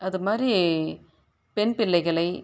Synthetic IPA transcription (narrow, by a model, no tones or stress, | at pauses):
ɐðɯmaːɾi | pɛnpɪlːɐɪɣɐɭɐɪ